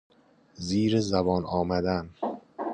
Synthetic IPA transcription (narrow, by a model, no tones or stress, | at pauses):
ziːɾezæbɒːnɒːmæd̪æn